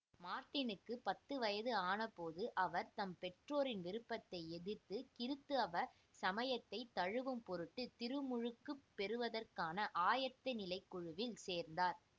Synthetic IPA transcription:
maːɾʈɪnɯkːɯpɐt̪ːɯʋɐjɐðɯaːnɐpoːðɯʔɐʋɐɾt̪ɐmpɛʈroːɾɪnʋɪɾɯpːɐt̪ːɐɪɛðɪɾt̪ːɯkɪɾɯt̪ːɯɐʋɐ | sɐmɐjɐt̪ːɐɪt̪ːɐɻɯʋɯmpɔɾɯʈːɯt̪ɪɾɯmʊɻɯkːɯpːɛɾɯʋɐðɐrkaːnɐʔaːjɐt̪ːɐnɪlɐɪkːʊɻɯʋɪlseːɾnd̪aːɾ

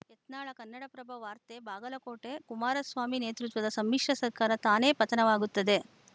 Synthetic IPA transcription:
ɛt̪naːɭɐkɐnːɐɽɐpɾɐbʱɐʋaːɾt̪ebʱaːɡɐlɐkoːʈekumaːɾɐsʋaːmineːt̪ɾut̪ʋɐd̪ɐsɐmːikʂɐsɐɾkaːɾɐt̪aːne̞ːpɐt̪ɐnɐʋaːɡut̪ːɐd̪e̞

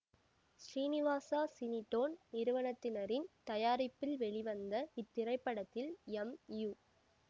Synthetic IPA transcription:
sɾiːnɪʋaːsaːsɪnɪʈːoːnnɪɾɯʋɐnɐt̪ːɪnɐɾɪnt̪ɐjaːɾɪpːɪlʋɛɭɪʋɐnd̪ɐɪt̪ːɪrɐɪpːɐɽɐt̪ːɪlɛmju

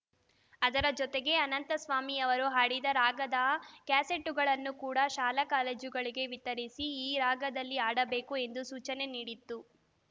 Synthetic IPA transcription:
ɐd̪ɐɾɐd͡ʒɔt̪eɡe̞ɐnɐnt̪ɐsʋaːmiɐʋɐɾuɦaːɽid̪ɐɾaːɡɐd̪ɐkaːse̞ʈːuɡɐɭɐnːukuːɽɐʃaːlɐkaːleːd͡ʒuɡɐɭiɡe̞ʋit̪ɐɾisiiːɾaːɡɐd̪ɐlːiaːɽɐbe̞ːkue̞nd̪usuːt͡ʃɐne̞niːɽit̪ːu

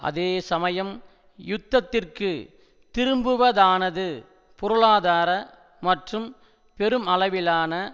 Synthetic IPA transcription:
ɐ̰ðeːsɐmɐjɐm | jʊt̪ːɐt̪ːɪrkɯ | t̪ɪɾɯmbɯʋɐðaːnɐðɯ | pʊɾɯɭaːðaːɾɐ | mɐʈrɯm | pɛɾɯmɐlɐʋɪlaːnɐ

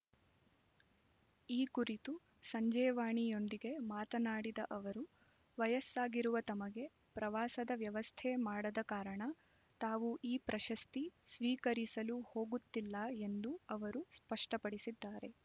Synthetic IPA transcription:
iːkuɾit̪u | sɐɲd͡ʒɛːʋaːɳijo̞nd̪iɡe̞maːt̪ɐnaːɽid̪ɐʔɐʋɐɾu | ʋɐjɐsaːɡiɾuʋɐt̪ɐmɐɡe̞ | pɾɐʋaːsɐd̪ɐʋjɐʋɐst̪ʰemaːɽɐd̪ɐkaːɾɐɳɐ | t̪aːʋuʔiːpɾʔɐʃɐst̪isʋiːkɐɾisɐluho̞ːɡut̪ːilːɐe̞nd̪uɐʋɐɾuspɐʂʈɐpɐɽisid̪ːaːɾe̞

